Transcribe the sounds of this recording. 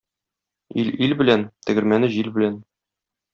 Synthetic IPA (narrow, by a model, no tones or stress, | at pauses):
ililbɘ̆lænt̪ɘ̆ɡɘ̆ɾmænɘʑilbɘ̆læn